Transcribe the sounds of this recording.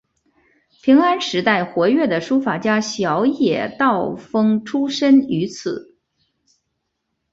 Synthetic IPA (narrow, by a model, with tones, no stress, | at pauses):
pʰi˧˥ŋa˥nʂɻ̩˧˥t̪a˥˩ɪxwɔ˧˥ɥɛ˥˩d̪ə˩ʂu˥fa˨˩t͡ɕja˥ɕjɑ˧˥ʊjɛ̰˨˩˦t̪ɑ˥˩ʊfɤ˥ŋʈ͡ʂʰu˥ʂə˥ny˧˥t͡sʰɹ̩˨˩˦